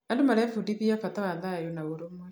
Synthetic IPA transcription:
andumalɛfudiβiafataβanðajonaβoɾomwe

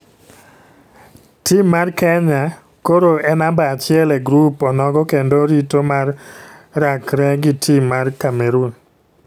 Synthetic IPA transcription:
timːarkɛɲa | koɾoɛnambaːt͡ʃɪɛlɛɡɾupɔnɔɡɔkendoɾitomarː | akɾɛɡɪtʰimːarkameɾun

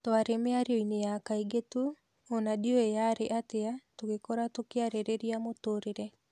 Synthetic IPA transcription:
toaɾemeaɾeɔinejakaiɡetuː | nadioejaɾeʔateatoɣekɔɾatokeaɾeɾeɾiamotoɾeɾɛ

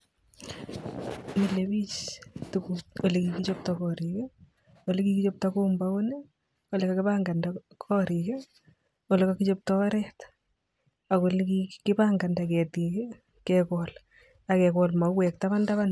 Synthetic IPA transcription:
milebit͡ʃtukuolekikit͡ʃop̚takɔɾike | olekikit͡ʃop̚takombaone | olekakɪpaŋɡandakʰɔɾike | olekakit͡ʃop̚tɔaɾɛt | akolkikɪpaŋɡandakɛtike | kɛkɔl | akɛkɔlmawɛk̚taβandaβan

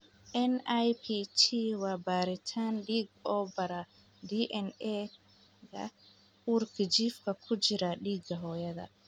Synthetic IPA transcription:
ʔɛnajpit͡ʃʰiwabaɾitʰanɗiɡɔbaɾa | diʔɛnɛ | ɡa̰ | ʔuɾkid͡ʒifkakʰud͡ʒiɾaɗiɡaɦɔjada̰

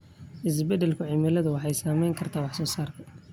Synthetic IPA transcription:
ʔɪs̬bɛd̪ɛlkʰʊʕɪmɪlɐðʊwɑħɑjsaːmɛjŋkʰɐrt̪ʰaːwɑħsɔːsaːrk̪ʰɐ̥

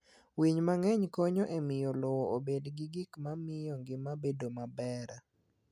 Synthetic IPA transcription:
wiɲmaŋɛɲkoɲoʔemɪjɔlɔwɔobedɡɪɡɪkmamɪjɔŋɡɪmabedomabɛɾa

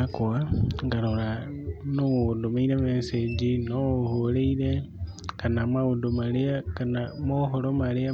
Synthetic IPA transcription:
akuaŋɡaɾoɾanoodomeiɾemesed͡ʒinoholeiɾe | kanamwaodomaleakanamoɦoɾomalea

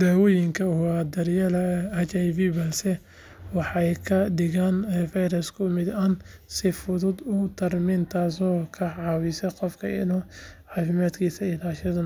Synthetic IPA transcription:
d̪aːwɔːjɪŋkʰɐwad̪ɐrjɐlɐɐt͡ʃɐjvibɐlsɛ | wɑħɑjkʰɐɖɪɣaːnfɛjɾɐskʰʊmɪd̪ɐnsɪfʊðʊd̪ʊt̪ʰɐrmint̪ʰaːsɔːkʰɐʕɑːwɪsɛqɔfkʰɐ̰ɪ̰nɔːʕɑːfɪmaːd̪kʰiːsɐɪlaːʃɐðɐ

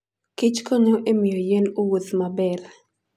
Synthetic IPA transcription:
kit͡ʃkoɲoʔemɪjojenowut̪mabɛr

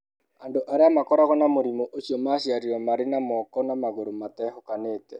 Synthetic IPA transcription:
andoʔaɾeamakɔɾaɣɔnamoɾimoʔoɕiɔmaːɕiaɾiɾɔmaɾenamɔkɔnamaɣoɾomatɛhokaneːtɛ

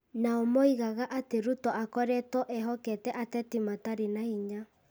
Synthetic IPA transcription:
naomoiɣaɣaʔateɾutɔʔakɔɾɛtɔʔɛɦɔkɛtɛʔatɛtimataɾenaiɲa

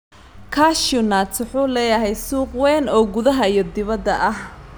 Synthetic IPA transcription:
kʰaːʃʊnat̪ʊħuːlɛːjɐɦɛjsuːqwɛːnɔːɡʊðɐɦɐijɔd̪ɪβɐd̪ːɐʔɐh

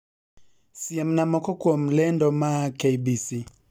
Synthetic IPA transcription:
siɛm̩namɔkɔkwom̩lɛndɔmakʰeibisi

